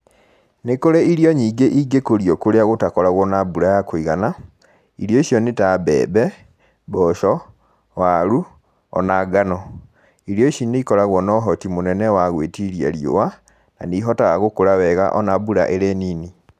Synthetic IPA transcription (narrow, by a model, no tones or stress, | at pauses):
nekoɾeiɾiɔɲiːɡeʔiɡekoɾiɔkoɾeaɣotakɔɾaɣwɔnabuɾajakoiɣana | iɾjɔiʃjɔnetabɛ̰ːbɛ | bɔʃɔ | waɾu | ɔ̰naɡanɔ | iɾjɔiʃiniikɔɾaɣwɔnɔɦɔtimonɛnɛwaɣwetiɾia̰ɾjo̰wa | na̰niɦɔtaɣaɣokoɾawɛɣa̰ʔɔnabuɾa̰ʔeɾeniːni